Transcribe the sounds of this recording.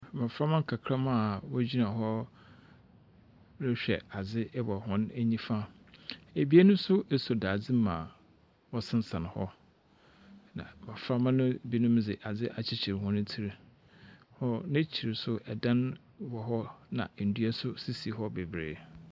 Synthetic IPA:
mã˨fɾa˦mã˦ŋ˨kʰa˨kʰɾa˦mã˦˨wɔ˦d͡ʑᶣi˦nã˨ɦɔ˦ | ɾɪ˦ɕᶣɛ̰˨a˨d͡zɪ˦bɔ˨hʊ̃˦næ˦ɲĩ˦fa˦ | e˨bi˦e˦nʊ̃˦sʊ˦ʔe˨so˨daː˨d͡zɪ˦mã̰˨ | wɔ˦sɪ̃˦n̩˦sã˨n˨hɔ˦ | nã̰˨mã˨fɾa˦mã˦nʊ̃˦bi˦nʊ̃˦m˦d͡zɪ˨ʔa˨d͡zɪ˦ʔa˨t͡ɕʰɪ˨t͡ɕʰɪ˨ɾɦʊ̃˦nʊ̃˦tʰi˦ɾi˨ | hɔ˦nɪ̃˦t͡ɕʰi˨ɾɪ˨sʊ˦ʔɛ˨dã˦n | wɔ˨ɦɔ˦nã̰˨n̩˨du˦æ˦sʊ˦si˦si˨ɦɔ˦be˨bɾḛː˨

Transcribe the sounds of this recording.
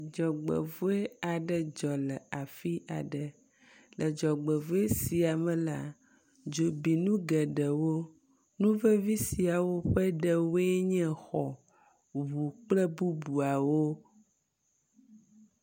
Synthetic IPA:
d͡ʒɔ˨ɡ͡bɛ̰˨vo˦e˦a˨ɖɛ˦d͡ʒɔ˨lɛ˨a˨fi˦ʔa̰˨ɖə˨ | lʔə˨d͡ʒɔ˨ɡ͡bɛ˨vo˦e˦si˨a˨mɛ̃˨la˦ | d͡ʒo˨bi˨nũ˦ɡɛ˨ɖɛ˨wo˦ | nũ˦vɛ˦vi˦si˨a˨wo˦ɸɛ˦ɖɛ˨wo˦e˦ɲɛ̃˦xɔ˨ | βu˨k͡plɛ˦bu˦bu˨a˨wo˦

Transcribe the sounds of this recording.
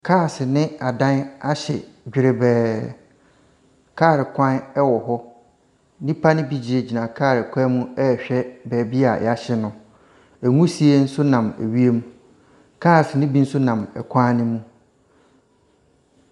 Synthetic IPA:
kʰaː˦˨sɪ˨nɪ̃˦a˨dã˦na˦ɕɛ˨d͡ʑᶣɪ˨ɾɪ˨bɛː˨ | kʰaː˦˨ɾɪ˨kʷʰã˦n˦ɛ˦wɔ˨ɦɔ˦ | nĩ˦pʰa˦nɪ̃˦bi˦d͡ʑi˨e˨d͡ʑi˨nã˨kʰaː˦˨ɾɪ˨kʷʰã˦mũ˦ɛ˦˨ɕᶣɛ˦bɛː˨bi˦a˨ja˦ɕɛ˨nʊ̃˨ | æ˨ŋũ˦si˨e˦n̩˦sʊ˦nã˨mæ̰˨ɥi˦e˦mũ˦ | kʰaː˦˨snɪ̃˦bi˦n̩˦sʊ˦nã˨mɛ˨kʷʰã˦nɪ̃˦mũ˦

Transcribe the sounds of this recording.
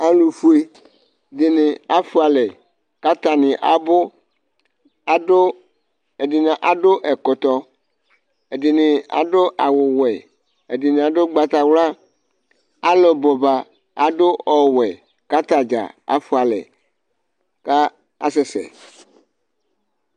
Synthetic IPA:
a˨lu˨fu˦e˦ | dɪ˨nɪ̃˨a˦fʊ˦a˨lɛ˨ | ka˦t̪a˨nɪ̃˨ʔa˨bʊ˦ | e˨dɪ˨nɪ̃˨ʔa˨ɖʊ˦ʔɛ˨kɔ˨t̪ɔ˦ | e˨dɪ˨nɪ̃˨a̰˨ɖʊ˦ʔa˨wʊ˨wɛ˨ | e˨dɪ˨nɪ̃˨a˨ɖʊ˦ɡ͡ba˨t̪a˨wla˦ | a˦lɔ˨bɔ˨ba˨ | a˨ɖʊ˦ɔ˨wɛ˨ | ka˦t̪a˨d͡ʒa̰˨a̰˦fʊ˦a˨lɛ̰˨ | ka˦ | a̰˦sɛ˨˦sɛ̰˨

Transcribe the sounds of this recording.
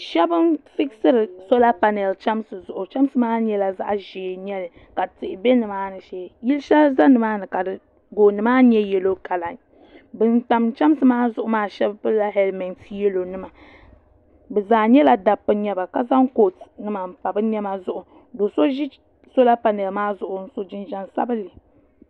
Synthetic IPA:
ʃɛ˦bɨ˦mfi˦ksɨ˦ɾɨ˨so˦la˦pa˨nɛ˨lt͡ʃa˦msɨ˨zʊ˨ʔʊ˨t͡ʃa˦m˦sɨ˦maː˦ɲɛ˦la˨za̰˦ʔʒi˨ɲɛ˦lɨ˨ | ka˨tɪ˨ʔɪ˨bɛ˦nɨ˨maː˦nɨ˨ʃeː˨ji˦lʃɛ˦za˦nɨ˨maː˦nɨ˨ka˨dɨ˨ | ɡoː˨nɨ˨maː˦ɲɛ˦jɛ˨lo˦ka˨la˨ŋ | bɨ˨nta˨m˦t͡ʃa˦m˦sɨ˨˦maː˦zʊ˦ʔʊ˨˦maː˦ʃɛ˦bbɨ˦la˦ɦɛ˦lmɛ˨nsi˦jɛ˦lo˨nɨ˦ma˨ | bɛ˨zaː˨ɲɛ˦la˨da˨pːɨ˨˦ɲɛ˦ba˨ka˦za˦ŋ˦ko˨tnɨ˦ma˨m̩˨pa˨bɨ˦ɲɛ˦ma˦zʊ˦ʔʊ˨ | do˨so˦ʒi˦ | so˦la˦pa˨nɨ˨bɨ˨maː˦zʊ˨ʔʊ˨n̩˦so˦d͡ʒɪ˦nʒɛ˦nsa̰˦bɨ˦lɨ˨

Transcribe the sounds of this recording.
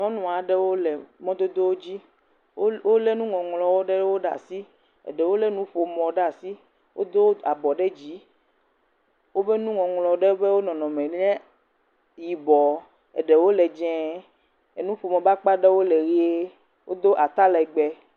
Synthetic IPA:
nɔ̃˦nũ˨a˨ɖe˦wo˦lɛ˨mɔ̃˦d̪o˦d̪o˦wo˦d͡ʑi˦ | wo˦le˦nũ˦ŋɔ̃˨ŋlɔ˨wo˦ɖe˦wo˦ɖa̰˨si˦ | ɛ̰˨ɖe˨wo˦le˦nũ˦ɸo˨mɔ̃˨ɖa˨si˦ | wʔo̰˦d̪o˦a˨bɔ˨ɖe˦d͡ʑi˨˦ | wo˦be˦nũ˦ŋɔ̃˨ŋlɔ˨ɖe˦be˦wo˦nɔ̃˨nɔ̃˨mɛ̃˨ɲɛ̃˦ | ji˨bɔ˨ | ɛ̰˨ɖɛ˨wo˦lɛ˨d͡ʒɛ̃˨˦ | e˨nũ˦ɸo˨mɔ̃˨ba˦k͡pa˦ɖe˦wo˦lɛ˨ɾi˦e˦ | wo˦d̪o˦ʔa˨t̪a˦lɛ˨ɡ͡bɛ˨

